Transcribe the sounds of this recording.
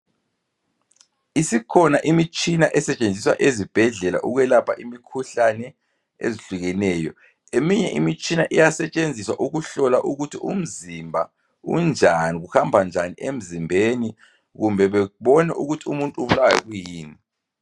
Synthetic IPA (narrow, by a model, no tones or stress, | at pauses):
isikʰɔnaʔimit͡ʃʼinaʔɛsɛt͡ʃʼend͡zʱiswa̰ʔezib̥ʱɛɮɛla̰ʔuɣwɛlapʰaʔimikʰuɬanɛ | ḛziɬuɣɛnɛːjɔ | emiɲɛ̰ʔimit͡ʃʼinaʔijasɛt͡ʃʼend͡zʱiswa̰ʔuɣuɬɔlaʔuɣutʰium̩zimbʱa̰ | ṵnd͡ʒʱaniɣuhambʱand͡ʒʱaniʔem̩zimbʱeni | ɣumbʱɛβɛβɔnɛʔuɣutʰiumuntʼuuβulawjɛ̰ɣujiːni